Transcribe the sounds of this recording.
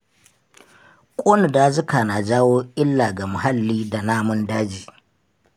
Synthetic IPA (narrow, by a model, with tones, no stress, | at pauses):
kʷʼoː˦nʊ˨daː˦zʊ˦kaː˨na˨d͡ʒaː˦woː˦ʔɪ˦lːa˨ɡa˨mʊ˨ha˦lːiː˦da˨naː˦mʊ˦ndaː˦d͡ʒiː˨